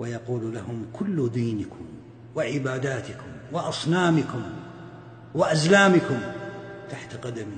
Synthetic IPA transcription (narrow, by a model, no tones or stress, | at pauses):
wajɑquːllahʊmkʰʊlːd̪iːnɪkʊm | wɪʕɪbaːd̪aːt̪ɪkʊmwɪʔɑsˤnaːmɪkʊm | wɪʔazlaːmɪkʊmt̪aħt̪aqɑd̪ami